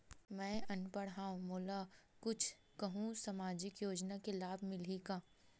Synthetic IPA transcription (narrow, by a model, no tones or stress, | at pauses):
mɛ̃ːʔɐnpəɽɦaːõmoːlakʊt͡ʃʰ | kɐɦũsɐmaːd͡ʒɪkjoːd͡ʒnakelaːbʱmɪliɡaː